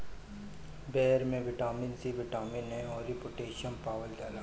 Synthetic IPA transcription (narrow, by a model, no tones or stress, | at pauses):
bɛːɾmẽʋɪʈaːmɪnsiʋɪʈaːmɪnɦɛ̃ɔːɾɪpoːʈeːʃənpaːʋəld͡ʒaːlaː